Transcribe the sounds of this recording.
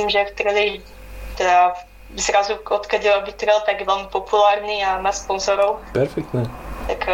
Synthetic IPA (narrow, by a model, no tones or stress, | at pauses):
imʒɛft̪ɾli | t̪ɛd̪a | zɾazuot̪kaɟilabɪt̪ɾɛlt̪aɡjɛvɛlmɪpopulaːɾɲiamasponzɔɾowpɛɾfɛk̚t̪nɛt̪ak